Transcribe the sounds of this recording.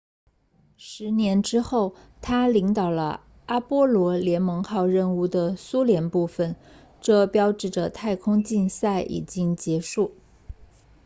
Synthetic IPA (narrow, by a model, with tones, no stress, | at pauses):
ʂɻ̩˧˥njɛ˧˥nʈ͡ʂɻ̩˥xo˥˩ʊ | t̪ʰa˥li˧˥ŋt̪ɑ˨˩ʊlə̰˦ | a˥pwɔ˥lwɔ˧˥ljɛ˧˥nmɤ˧˥ŋxɑ˥˧ʊɻə˥˧nu˥˩d̪ə˩su˥ljɛ˧˥npu˥˩fə˩n | ʈ͡ʂɤ˥˧pjɑ˥ʊʈ͡ʂɻ̩˥˩ʈ͡ʂə˩t̪ʰa˥˧˩ɪkʰʊ˥ŋt͡ɕi˥˧nsa˥˩ɪʔḭ˨˩t͡ɕi˥ŋt͡ɕjɛ˧˥ʂu˥˩